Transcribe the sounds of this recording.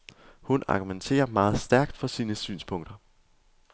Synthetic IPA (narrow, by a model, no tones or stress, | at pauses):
hunɑ̈ɡ̥ument͡sʰe̝̰ːɐmɑ̈ːð̞̩ˠsd̥æɐɡ̥d̥fɒ̽siːnəsy̰ːnspʰɔ̽ŋ̰d̥ɐ